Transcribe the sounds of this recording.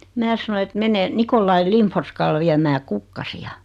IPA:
mæː sɑnoĭ et mene nikolːɑi limforskɑl ʋiæmæː kukːɑsiɑ

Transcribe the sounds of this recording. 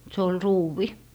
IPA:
se ol ruːʋi

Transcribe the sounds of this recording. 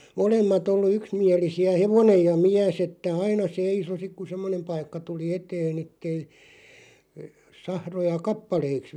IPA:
molemːɑt olːu yksmiælisiæ heʋonej jɑ miæs etːæ ɑinɑ seiso sik ku semːonem pɑikːɑ tuli eteːn etːei sɑhrojɑ kɑpːɑleiks

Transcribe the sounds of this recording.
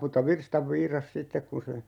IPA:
mutːɑ ʋirstɑʋ ʋiːrɑs sitːek kun̞ se

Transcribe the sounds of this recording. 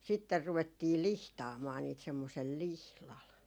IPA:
sitːer ruʋetːiː lihtɑːmɑː niːt semːosel lihlɑl

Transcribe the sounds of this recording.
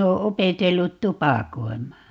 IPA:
oː opetelːut tupɑˑkoimˑɑː

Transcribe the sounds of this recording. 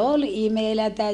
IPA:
ol imelætæ

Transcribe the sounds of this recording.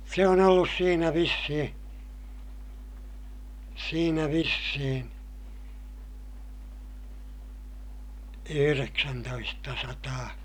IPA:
se on olːus siːnæ ʋisːihĩː siːnæ ʋisːihin̞ yhyreksæntoistɑsɑtɑː

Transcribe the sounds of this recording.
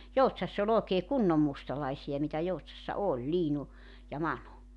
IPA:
joutsɑsː olʲ oːkeː kunːom mustɑlɑisiɑ mitæ joutsɑsːɑ olʲ liːnu jɑ mɑnu

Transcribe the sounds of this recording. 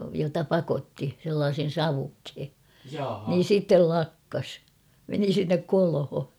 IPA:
jotɑ pɑkotːi selːɑːsen̞ sɑʋukhe niːn̞ sitːel lɑkːɑs meni sinːek kolho

